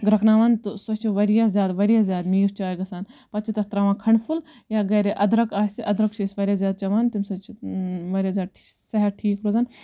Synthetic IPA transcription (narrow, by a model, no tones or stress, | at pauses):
ɡɾɐknaːʋaːnt̪usot͡ʃʰiʋɐɾijazʲjaːd̪ʋɐɾijaːzʲjaːd̪miːɾt͡ʃʰaːiɡɐsaːnpɐt͡ʃʰit̪ɐt̪ɾaːʋãːkʰɐɳpʰul | jaːɡɐːɾeʔɐd̪ɾɐkaːsiʔɐd̪ɾɐkt͡ʃʰisʲʋɐɾʲjaːzʲjaːd̪̚t͡ʃɐʋaːnt̪umsɐt͡ʃʰiʋɐɾʲaːzʲjaːd̪ʈʰːsɐɦɐɾʈʰiːkɾoːzaːn